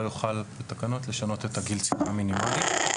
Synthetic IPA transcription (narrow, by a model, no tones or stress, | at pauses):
juχalbet̪akano̞t̪le̞ʃano̞t̪et̪aɡilt͡si̥paːminimalit̪